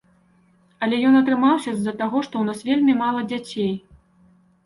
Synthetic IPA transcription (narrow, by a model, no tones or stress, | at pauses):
ɐlʲɛjɔnɐt̪ɾɨmawsʲɐzɐt̪aɣɔʂt̪ɔwnasvʲelʲmʲimalˠɐd͡zʲat͡sʲej